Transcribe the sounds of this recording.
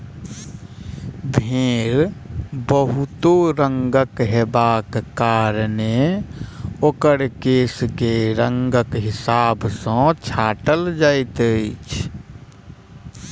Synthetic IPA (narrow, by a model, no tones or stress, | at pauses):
bʱẽːɾbəɦʊt̪oɾəŋɡəkɦebaːkkaːɾne | okəɽkeːskeɾəŋɡəkɦɪsaːbsə̃t͡ʃʰaːʈəld͡ʒaɪt̪əɪt͡ʃʰ